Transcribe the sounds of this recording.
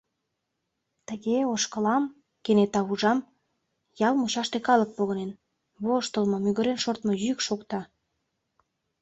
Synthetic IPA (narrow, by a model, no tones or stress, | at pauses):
t̪əɣeoʃkəlɑm | kenet̪ɑβuʒɑm | jɑlmuɕɑʃt̪ekɑlək̚poɣə̆nen | βoʃt̪əlmɤ̆myɣəɾenʃort̪mojykʃokt̪ɑ